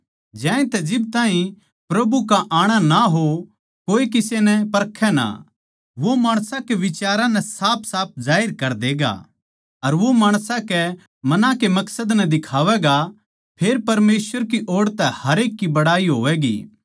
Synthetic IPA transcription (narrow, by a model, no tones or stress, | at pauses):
d͡ʒɛ̃ːẽt̪ɛd͡ʒɪb̚t̪ãːɦĩ | pɾɐbukaʔaːɽ̃anaɦo | koːek̬ɪsenɛpɐɾkʰːɛna̰ | ʋomaːɽ̃sãkeʋɪt͡ʃaːɾãnɛsaːp̚ʰsaːp̚zaːɪɾkɐɾd̪eːɡa̰ | ɐɾʋomaːɽ̃sãkɛ | mɐnãkemɐksəd̪nɛd̪ɪkʰaːʋɛɡa | pʰeːɾpɐɾmeːsʋəɾk̬iʔoːɽt̪ɛhɐɾeːkːibɐɽaːiɦoːʋɛɡḭː